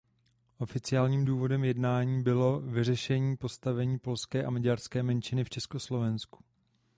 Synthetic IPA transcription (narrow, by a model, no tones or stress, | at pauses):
ʔo̞fɪt͡sɪaːlɲiːmduːvo̞dɛmjɛdnaːɲiːbɪlo̞vɪr̝ɛʃɛɲiːpo̞st̪avɛɲiːpo̞lskɛːʔamaɟaɾskɛːmɛnt͡ʃɪnɪft͡ʃɛsko̞slo̞vɛnsku̥